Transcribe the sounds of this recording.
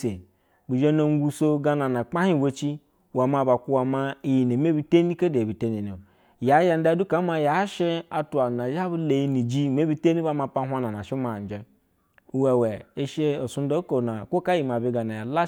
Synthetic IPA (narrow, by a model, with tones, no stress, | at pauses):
e˨ | bu˨d͡ʒe˦no˨ŋ˦ɡu˦so˦ɡa˦na˨na˨k͡pa˦hi˦˨we˦t͡ʃi˦ | wa˨ma˨ba˨ku˦wa˨ma˦i˨ji˨ne˨me˦bi˦te˦ni˦ka˦de˨bi˨te˦ni˨no˨ | ja˨˦ja˨n̩˦da˦du˦ka˨˦ma˦ja˨˦ʃe˦a˨tu˨a˨na˨ja˦bu˦le˨ji˦ni˨d͡ʒi˦˨me˦bi˦te˦ni˦ba˦ma˨pa˦ɦʷa˦na˨na˨ʃi˦ma˨n˨d͡ʒe˦ | u˦we˨we˨e˦ʃe˦o˨su˦n˦do˦ko˨na˨kʷo˦ka˦ji˨ma˨bi˦ɡa˨na˨ja˨la˦